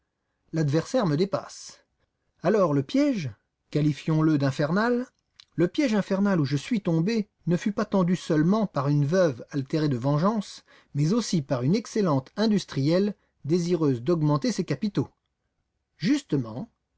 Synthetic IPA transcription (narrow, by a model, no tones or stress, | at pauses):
lad̪vɛʁsɛʁməd̪epa̰s | alɔʁləpjɛʒ | kalifjɔ̃ləd̪ɛ̃fɛʁnal | ləpjɛʒɛ̃fɛʁnaluʒəsɥit̪ɔ̃be | nəfypat̪ɑ̃d̪ysœlmɑ̃paʁynvœvalt̪eʁed̪əvɑ̃ʒɑ̃s | mɛzosipaʁynɛkselɑ̃t̪ɛ̃d̪yst̪χijɛl | d̪eziʁøzd̪ɔɡmɑ̃t̪esekapit̪o | ʒyst̪əmɑ̰̃